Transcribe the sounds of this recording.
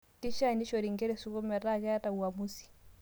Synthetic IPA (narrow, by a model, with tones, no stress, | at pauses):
ki˦ʃa˦ni˦ʃɔ˨ɾi˨ŋɡɛ˦ɾɛ˨su˦ko˦mɛ˨ta˦kɛ˦a˦ta˨u˨a˨mu˦si̥˨